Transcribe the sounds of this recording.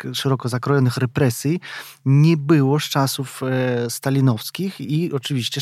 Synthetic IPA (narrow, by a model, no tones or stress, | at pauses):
ʂɛɾɔkɔzakɾɔjɔnɘxɾɛpɾɛsʲji | ɲɛbɘwɔʂt͡ʂasufst̪alʲinɔfskʲixiɔt͡ʂɘvʲiɕt͡ɕɛ